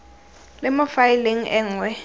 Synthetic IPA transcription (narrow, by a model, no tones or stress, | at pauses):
lɛmafajiliŋ̩ʔɛŋwɛ